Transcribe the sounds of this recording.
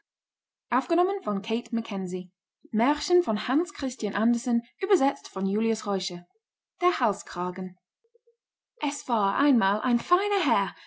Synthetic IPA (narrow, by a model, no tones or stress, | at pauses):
ʔaʊfɡ̥ənɔmə̃nfɔ̃nkʰeɪtməkʰɛnzi | mɛɹʃənfɔ̃nhãnskʰʁ̥ɪstjãnʔãndəsənyːbəzɛt͡stfɔ̃njuːljəsʁɔɪʃə | d̥ɛhalˠskʰʁ̥aːɡən | ʔɛsfaːã̰ɪ̃nmaːlʔã̰ɪ̃nfãɪ̃nəɦɛɹ